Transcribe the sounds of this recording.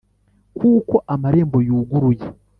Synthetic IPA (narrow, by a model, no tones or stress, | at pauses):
kuːko̞ʔamaɾe̞ːmbo̞juːɡuɾuje